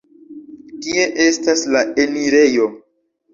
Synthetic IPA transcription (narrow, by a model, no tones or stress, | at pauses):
kie̞ʔe̞staslaʔeniɾe̞jo̞